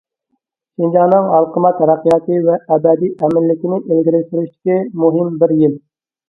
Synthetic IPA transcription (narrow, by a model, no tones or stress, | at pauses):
ʃind͡ʒɑːnɨŋɑlˠqʰəmɑt̪ʰːɾɑqːijɑːt̪ɨvɛʔːbɛd̪iʔɛmɪnːɪkʲinɪʔelɡʲiɾɪʃt̪ɪɾyʃt̪ɪ̥kʲimuɦɪmbɪɾjɪl